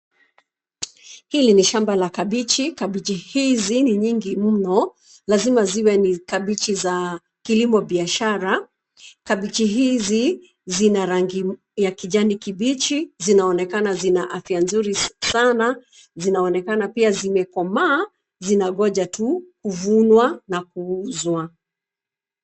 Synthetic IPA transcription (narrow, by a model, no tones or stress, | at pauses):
hiliniʃambalakaɓit͡ʃikaɓit͡ʃihiziniɲiŋɡim̩nɔ | lazimaziwɛnikaɓit͡ʃiza | kilimɔɓiaʃaɾa | kaɓit͡ʃiɦizi | zinaɾaŋɡi | jakiʄanikiɓit͡ʃizinaɔnɛkanazinaʔafianzuɾisana | zinaɔnɛkanapiazimɛkɔmaː | zinaɠɔʄatukuvunwanak̚uuzwa